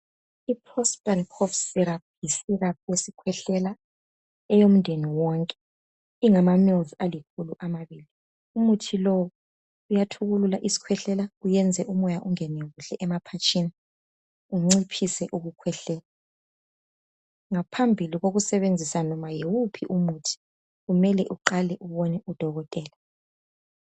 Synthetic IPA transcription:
ipʰɔstʼalkʰɔfsiɾap̚ʰjisirap̚ʰwesikʰwɛɬɛla | ɛjom̩ndʱeniwɔŋkʼɛ̥ | iŋamamɔlzalikʰuluʔamaβiːli | umutʰilɔwɔ | ujatʰuɣululaʔisi̥kʰwɛɬɛlaujɛnd͡zʱɛʔumɔjaʔuŋɛnɛɣuɬɛʔɛmapʰat͡ʃʼini | uŋ͡ǀipʰisɛʔuɣukʰwɛɬɛːla | ŋapʰambʱiliɣoɣusɛβend͡zʱisanɔmajewupʰiʔumutʰi̥ | ɣumɛlɛʔuǃalɛʔuβɔnɛʔud̥ʱɔɣɔtʼɛːlɛ

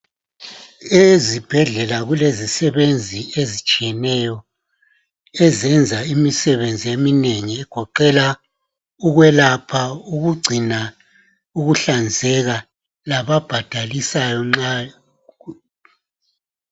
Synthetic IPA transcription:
ezib̥ʱɛɮɛlaɣulezisɛβend͡zʱiezit͡ʃʼijɛnɛjɔ | ɛzɛnd͡zʱaimisɛβend͡zʱiemineŋiɛɡ̥ʱɔǃɛla | uɣwɛlapʰauɣuɡ͡ǀʱina | uɣuɬand͡zʱɛɣa | laβab̥ʱad̥ʱalisajɔŋ͡ǁa

